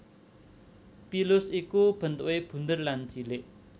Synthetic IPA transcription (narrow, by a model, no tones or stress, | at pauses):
pilʊsikub̥ə̤nt̪uʔweb̥ṳnd̪ərland͡ʒileʔ